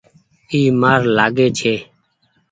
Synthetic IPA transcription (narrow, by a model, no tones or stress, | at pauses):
iːmaːɾlaːɡeːt͡ʃʰeː